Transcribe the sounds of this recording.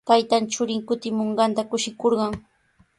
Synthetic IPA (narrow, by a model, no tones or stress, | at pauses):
t̪ajt̪ant͡ʃʊɾɪŋkʊt̪ɪmoɴɢɑnt̪akʊʃɪkoɾɢɑŋ